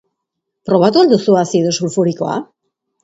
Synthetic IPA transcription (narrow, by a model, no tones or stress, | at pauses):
pɾo̞β̞at̪uald̪usuasiðosulfuɾiko̞a̰